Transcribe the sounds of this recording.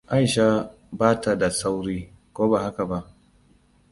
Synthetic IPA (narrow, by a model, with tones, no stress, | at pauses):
ʔa˦˨jʃa˦ | baː˦ta˨da˨sa˦wɾiː˦ | kʷoː˦ba˨ha˦ka˨ba˦ʔ